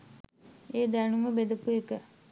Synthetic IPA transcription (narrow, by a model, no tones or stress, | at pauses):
eːd̪ænuməbed̪əpuekə